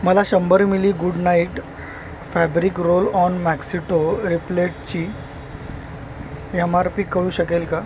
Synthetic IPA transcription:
məlaɕəmbəɾmiliːɡuɖnaiʈ | fæbɾikɾolɔnmæksiʈoɾipleʈt͡ɕiː | emaɾpiːkəɭuːɕəkelka

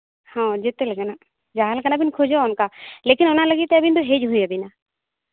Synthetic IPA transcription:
hɔ̃d͡ʒɛt̪ɛlɛɡana | d͡ʒaɦalkanabinkʰɔd͡ʒɔɔnkalekinɔnaləɡit̪ːɛbind̪ɔɦed͡ʒɦujabina

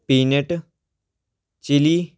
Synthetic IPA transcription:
piːneʈ | t͡ʃili

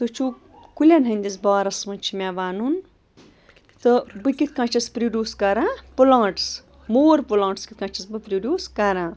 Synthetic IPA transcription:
t̪ɨt͡ʃʰu | kulʲanɦɐ̃nd̪isbɐaɾɐsmɐnt͡ʃʰimʲaʋaːnun | t̪ɨbɨkit̪̚ʰkãːt͡ʃʰɐspɾiɖʲjuːskɐɾãːpulãːʈs | moːɾpulãːɳʈskit̪̚kãːt͡ʃʰɐsbɨpɾiɖʲjuːskɐɾãː

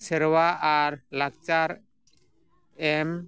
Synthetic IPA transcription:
sɛɾwaʔaɾlak̚t͡ʃaɾ | ɛm

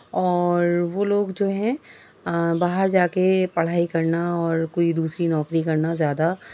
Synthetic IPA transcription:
ɔːɾʋoːloːɡd͡ʒoːɦɛ̃ | baːɦəɾd͡ʒaːkepɐɽ̤aːikɐɾnaɔːɾkoːid̪uːsɾinɔːkɾikɐɾnazjaːd̪a

